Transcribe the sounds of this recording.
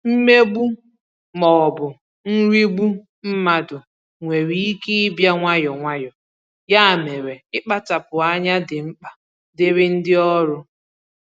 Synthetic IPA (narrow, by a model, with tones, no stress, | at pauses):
m̩˦me˦ɡ͡bu˦ | mɔ˨bʊ˨ | n̩˦ɾi˦ɡ͡bu˦ | m̩˦ma˨dʊ˨ | ŋʷe˨ɾi˦i˦ke˦ɪ˦bja˦ŋʷa˦jɔ˨ŋʷa˦jɔ˨ | ja˦a˨me˨ɾe˨ɪ˦k͡pa˦ta˨pʊ˨a˦ɲa˦dɪ˨ŋ͡m̩˦k͡pa˨ | dɪ˦ɾɪ˦n̩˦dɪ˦ɔ˦ɾʊ˦